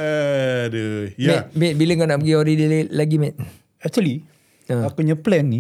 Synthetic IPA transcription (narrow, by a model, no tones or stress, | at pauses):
dəjmɛt̚mɛt̪̚biləŋkanaʔpəɡioɾidəllaɡimɛt̪̚ | ɛk̚t͡ʃ̪uəli | əakuɲə̃plɛnːi